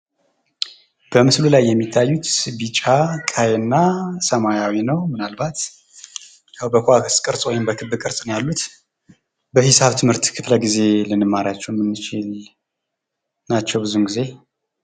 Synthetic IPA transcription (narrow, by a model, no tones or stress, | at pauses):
b̥əmɨslulajːɛmːit̪ʰːajːut̪sɨbit͡ʃʼakʼajnːasəmajawinəwmɨnalbat̪ | jawbəkʷakskʼɨɾsʼojenbəkʰɨbːɨkʼɨɾsʼnjalːut̪ | bəhisaβt̪ʰɨmhɨɾt̪kʰɨfləɡize̞lɨnɨmːaɾat͡ʃːɛwmːɨnːɨt͡ʃɪl | nat͡ʃːɛwbɨzunɡize̞